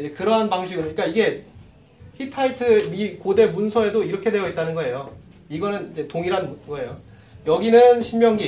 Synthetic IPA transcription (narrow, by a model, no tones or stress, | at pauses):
d͡ʑekɯɾʌɦanpaŋɕʰiɡɯɾɯɲik͈aiɡe̞ | çʰitʰaitʰɯmikode̞munsʰʌe̞doiɾʌkʰe̞dwe̞jʌit̚t͈anɯnɡʌe̞jo | iɡʌnɯnid͡ʑe̞toŋiɾannɡʌe̞jo | jʌɡinɯnɕʰimmjʌŋɡi